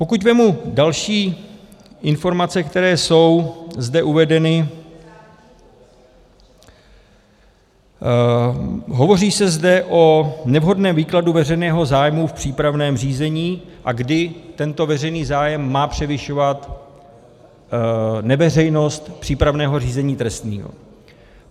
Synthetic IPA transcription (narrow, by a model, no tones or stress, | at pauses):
po̞kucmɛmudalʃiː | ʔɪnfo̞ɾmat͡sɛkt̪ɛɾɛːso̞wzdɛʔuvɛdɛnɪ | ɦo̞vo̞riːsɛzdɛʔo̞nɛvɦo̞dnɛːmviːkladuvɛr̝ɛjnɛːɦo̞zaːjmufpr̝̥iːpɾavnɛːmr̝iːzɛɲiːʔaɡdɪt̪ɛnt̪o̞vɛr̝ɛjniːzaːjɛmːaːpr̝̥ɛvɪʃovat̪ | nɛvɛrɛjno̞st̪pr̥iːpɾavnɛːɦo̞riːzɛɲiːt̪ɾɛst̪nḭːɦo̰